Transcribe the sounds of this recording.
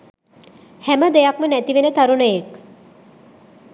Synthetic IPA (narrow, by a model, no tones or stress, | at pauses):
hæməd̪ejakmənæt̪iʋenət̪aɾunəjek